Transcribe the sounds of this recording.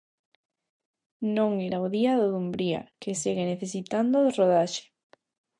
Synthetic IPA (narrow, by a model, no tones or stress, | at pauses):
nõŋeɾaoðiaðoðumbɾia̰keseɣeneθesit̪and̪oðeroðaʃe̥